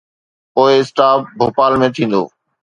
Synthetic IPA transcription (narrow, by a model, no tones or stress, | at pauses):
poːɪsʈaːp̚bʱoːpaːlmẽt̪ʰĩːn̆d̪o̰ː